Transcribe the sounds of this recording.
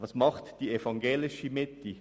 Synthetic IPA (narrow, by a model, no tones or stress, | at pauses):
ʋɑsmɑχtd̥iːefɑŋɡeːlɪʃimɪti